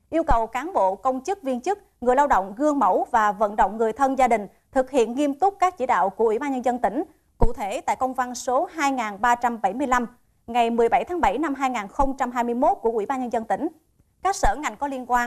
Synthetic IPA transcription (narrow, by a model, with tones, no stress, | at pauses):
ʔi˧əwkə˨˩wkaː˨˦nɓo̰˧˨kə˧wŋ͡mt͡ɕɨ˦˥k̚vi˧ənt͡ɕɨ˦˥k̚ | ŋɨ˨˩əjlaː˧wɗə̰˧˨wŋ͡mɣɨ˧əŋmə˧˩wvaː˨˩və̰˧˨nɗə̰˧˨wŋ͡mŋɨ˨˩əjt̪ʰə˧nzaː˧ɗï˨˩ŋ̟ | t̪ʰɨ˨˩k̚hḭ˧˨ənŋi˧əmt̪ʊ˦˥k͡p̚kaː˦˥k̚t͡ɕi˧˩ɗa̰ː˧˨wku˧˩əʔwi˧˩ɓaː˧nɲə˧nzə˧nt̪ï˧˩ŋ̟ | kṵ˧˨t̪ʰe˧˩t̪a̰ː˧˨jkə˧wŋ͡mva˧nso˨˦ɦaː˧jŋaː˨˩nɓaː˧t͡ɕa˧mɓa˧˩jmɨ˧əjla˧m | ŋa˨˩jmɨ˨˩əjɓa˧˩jt̪ʰaː˨˦ŋɓa˧˩jna˧mɦaː˧jŋaː˨˩nxə˧wŋ͡mt͡ɕa˧mɦaː˧jmɨ˧əjmo˦˥t̚ku˧˩əʔwḭ˧˩ɓaː˧nɲə˧nzə˧nt̪ï˧˩ŋ̟ | kaː˦˥k̚səː˧˩ŋa˨˩jŋ̟kɔ˨˦li˧ənkwaː˧n